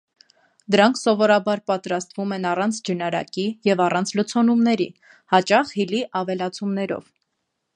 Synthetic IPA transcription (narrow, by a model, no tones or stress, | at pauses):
d̪əɾɑŋkʰsɔvɔɾɑbɑɾpɑt̪ɾɑst̪vumɛnɑrɑnt͡sʰd͡ʒənɑɾɑ̰kijɛvɑrɑnt͡sʰlət͡sʰɔnumnɛɾḭ | hɑt͡ʃɑχhiliʔɑvɛlɑt͡sʰumnɛɾɔ̰v